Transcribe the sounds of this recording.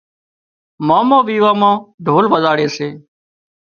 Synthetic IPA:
maːmãːʋiːʋaːmãːɖʱoːlʋəzaːɽeːseː

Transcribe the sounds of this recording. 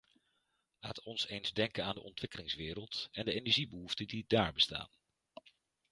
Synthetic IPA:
la̰ːtɔnsejnzdɛŋkənaːndəʔɔntʋɪkəlɪŋsʋɪːɾəlˠtɛndəejnɛɹʒibəɦuftədidaːɹbəsta̰ːn

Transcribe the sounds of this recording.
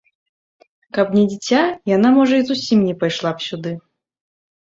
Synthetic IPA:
kɐpnʲɛd͡zʲit͡sʲajan̪amɔʐɐizusʲimnʲɛpajʂlˠapsʲud̪ɨ

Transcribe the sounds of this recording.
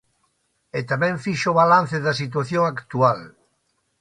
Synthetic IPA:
et̪amɛ̃ɱfiʃoβalãnθeðɐsit̪̬waθjoŋakt̪ual

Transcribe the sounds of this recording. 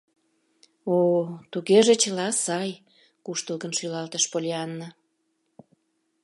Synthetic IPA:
ot̪uɣeʒet͡ɕəlɑsɑj | kuʃt̪əlɣənʃylɑlt̪əʃpolʲiɑnːə

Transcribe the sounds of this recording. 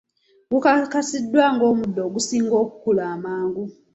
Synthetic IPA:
ɡukakasidːwaːŋɡo̞ːmudːoːɡusiːŋɡo̞ːku̥kulaːmaːŋɡu

